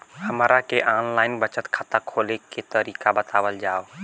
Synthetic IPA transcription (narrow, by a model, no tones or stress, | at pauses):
həmɾakeʔaːnlaːɪnbət͡ʃət̪kʰat̪akʰoːleket̪əɾiːkabət̪aːʋəld͡ʒaːo